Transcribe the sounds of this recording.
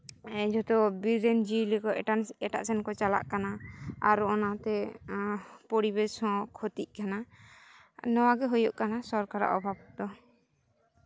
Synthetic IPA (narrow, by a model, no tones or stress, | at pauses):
ɛd͡ʒɔt̪ɔbiɾɾɛnd͡ʒilɛkɔɛanɛʈa̰ʔsɛnkɔt͡ʃala̰ʔkanaaɾuɔnat̪ɛ | pɔɽibɛsɔ̃kʰɔt̪iʔ̚kana | nɔwaɡɛɦujɔʔkanasɔɾkaɾa̰ʔɔbʱab̚d̪ɔ